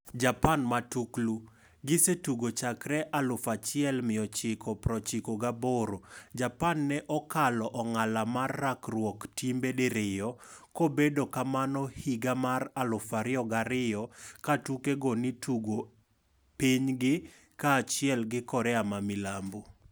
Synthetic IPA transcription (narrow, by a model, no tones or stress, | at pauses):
d͡ʒapanmatuklu | ɡɪsetuɡot͡ʃakɾɛʔalʊfat͡ʃɪɛlmɪɔt͡ʃɪkʰɔpɾɔt͡ʃikoɡaboɾod͡ʒapanːɛʔɔkalɔʔɔŋalamarːakrwɔktimbedeɾɪjɔkobedokamanɔhiɡamaralʊfaɾɪɔɡaɾɪjɔkatukeɡɔnituɡo | piɲɡɪ | kaːt͡ʃɪɛlɡɪkɔɾɛamamɪlambo